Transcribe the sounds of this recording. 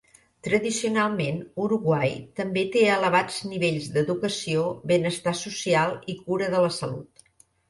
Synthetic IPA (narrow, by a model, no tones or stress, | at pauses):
t̪ɾəðisiunalˠmenuɾuɣwajt̪əmbet̪eələβ̞ad͡zniβeʎzd̪əðukəsioβenəst̪asusialˠikuɾəðələsəlṵt̪